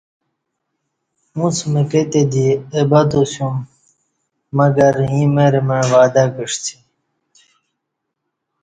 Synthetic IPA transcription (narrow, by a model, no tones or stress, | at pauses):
mũt͡sʰmeket̪ed̪iebɐd̪osjum | ɐɡɐɾɦĩmeɾemeɳʋaːd̪akiʂt͡sʰi̥